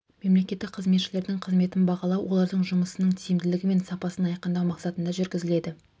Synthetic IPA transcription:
me̞mle̞kʲe̞t̪ːɪk̚qʰəzme̞t̪ʃɪle̞ɾd̪ɪŋqʰəzme̞t̪ɪnbɑʁɑlˠɑwwʔo̞lˠɑɾd̪əɴʒʊməsənəɴt̪ʰijɪmd̪ɪlɪɡʲɪme̞nsɑpɑsənɑjqənd̪ɑwmɑqsɑt̪ənd̪ɑʒʏɾɡʲɪzɪle̞d̪ɪ

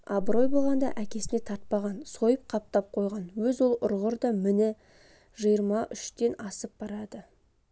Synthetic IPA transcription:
ɑbɾo̞jbo̞lˠʁɑnd̪ɑ̰ʔækʲe̞sɪne̞t̪ʰɑɾt̪̚pɑʁɑnso̞jəp̚qʰɑp̚t̪ɑp̚qʰo̞jʁɑnwɵzwo̞lˠʊɾʁəɾd̪ɑmɪnɪ | ʒəjəɾmɑʔʏʃt̪e̞nɑsəp̚b̥ɑɾɑd̪ə

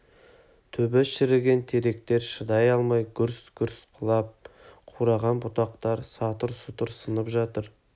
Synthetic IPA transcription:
t̪ʰɵbesʃɪɾɪɡʲe̞nt̪ʰe̞ɾe̞k̚t̪e̞ɾʃəd̪ɑjɑlˠmɑjɡʲʏɾsɡʲʏɾsqʰʊlˠɑp̚qʰuɾɑʁɑnbʊt̪ɑqt̪ɑɾsɑt̪əɾsʊt̪əɾsənəpʒɑt̪əɾ

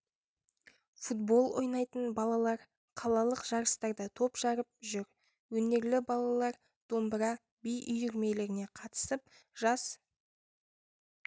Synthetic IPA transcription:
fut̪bo̞lˠwʔo̞̰jnɑjt̪ənbɑlˠɑlˠɑɾ | qʰɑlˠɑlˠəqʒ̥ɑɾəst̪ɑɾd̪ət̪ʰo̞pʒ̥ɑɾəp̚ʒʏɾ | wɵne̞ɾlɪbɑlˠɑlˠɑɾ | d̪̥o̞mbɾɑ | bijʔʏjʏɾme̞le̞ɾɪne̞qʰɑt̪ə̥səp̚ʒɑs

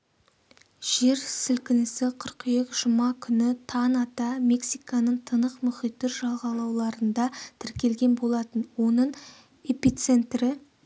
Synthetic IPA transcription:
ʒ̥e̞ɾsɪlkʲɪnɪsɪqʰəɾqʏjekʲʒ̥əmɑkʲʰʏnɪt̪ʰɑnɑt̪ɑme̞ksijkɑnəɴt̪ʰənəqmʏχijt̪ːɪɾʒɑlˠʁɑlˠɑwlˠɑɾənd̪ɑt̪ʰɪɾkʲe̞lɡʲe̞nbo̞lˠɑt̪ənwo̞nəɴ | e̞pit̪se̞nt̪rɪ

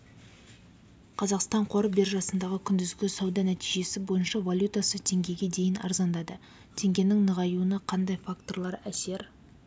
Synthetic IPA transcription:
qʰɑzɑqst̪ɑɴqʰo̞ɾəbe̞rʒɑsənd̪ɑʁəkʲʰʏnd̪ɪzɡʲɪsɑwd̪ɑnæt̪iʒe̞sɪbo̞jənʃɑvalʲut̪asət̪ʰe̞ŋɡʲe̞ɡʲe̞d̪e̞jɪnɑ̰ɾzɑnd̪ɑd̪ə | t̪ʰe̞ŋɡʲe̞nɪŋnəʁɑjuənɑqʰɑnd̪ɑjfakt̪o̞rlˠɑɾæse̞ɾ

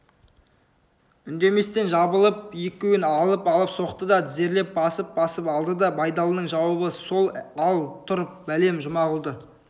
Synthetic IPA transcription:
ʏnd̪e̞me̞st̪e̞nʒɑbəlˠəp̚ekʲewɪnɑlˠəpɑlˠəpso̞qt̪əd̪ɑd̪ʰɪze̞ɾle̞p̚bɑsəp̚bɑsəpɑlˠd̪əd̪ɑbɑjd̪ɑlˠənəɴʒɑwəbəso̞lˠɑlˠt̪ʰʊɾəp̚bæle̞mʒʊmɑʁʊlˠd̪ə

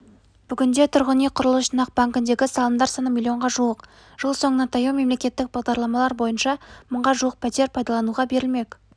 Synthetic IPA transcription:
b̥ʏɡʲɪnd̪e̞t̪ʰʊɾʁənijqʰʊɾəlˠəsʃənɑq̚b̥aŋkɪnd̪e̞ɡʲɪsɑlˠəmd̪ɑɾsɑnəmʲilʲːijo̞ɴʁɑʒuwəq | ʒ̥əlˠso̞ɴənɑt̪ʰɑjume̞mle̞kʲe̞t̪ːɪk̚bɑʁd̪ɑɾlˠɑmɑlˠɑɾbo̞jənʃɑmʊɴʁɑʒuwəq̚pʰæt̪e̞ɾpʰɑjd̪ɑlˠɑnuʁɑbe̞ɾɪlme̞kʲ

